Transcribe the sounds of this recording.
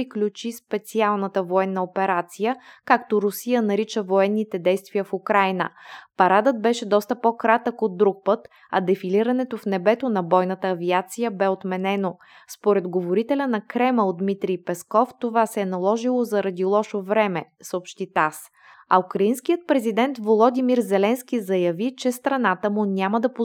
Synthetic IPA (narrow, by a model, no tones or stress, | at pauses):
iklʲut͡ʃispɛt̪sialˠnət̪əvoɛnːəopɛɾat̪sijəkakt̪oɾʊsijənɐɾit͡ʃəvoɛnːit̪ɛd̪ɛjst̪viəfukɾajnə̰pɐɾad̪ət̪̚bɛʃɛd̪ɔst̪əpokɾat̪əkod̪ːɾuk̚pət̪ | ɐ̰d̪ɛfiliɾɐnɛt̪ofnɛbɛt̪onɐbɔjnət̪əːviat̪sijəbɛot̪mɛnɛno | spoɾɛd̪ɡovoɾit̪ɛlʲənɐkɾɛməod̪mit̪ɾijpɛskɔft̪ovasɛːnɐlˠɔʒilˠozɐɾɐd̪ilˠɔʃovɾɛmɛ | səopʃt̪it̪as | ɐukɾɐinskijət̪̚pɾɛzid̪ɛnt̪volˠod̪imiɾzɛlɛnsk̟ʲizɐjɐvit͡ʃɛst̪ɾɐnat̪əmʊnʲaməd̪ɐpo